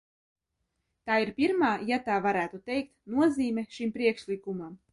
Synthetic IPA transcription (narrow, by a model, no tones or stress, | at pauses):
t̪aːiɾpʲiɾmaːjat̪aːvaɾæːt̪ut̪ɛjk̚t̪nuɔziːmʲɛʃimpɾiɛkʃlikumam